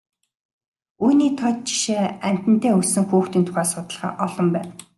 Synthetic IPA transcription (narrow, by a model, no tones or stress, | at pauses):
uːniːt̪ʰɔt̪̚t͡ɕi̥ʃeːæm̥ʲt̪ɘ̆n̥t̪ʰæːɵsɘ̆ŋxuːxt̪iːnt̪ʰʊ̥χæːsʊt̪ə̆ɮχa̰ːʔɔɮɞ̆mpæːn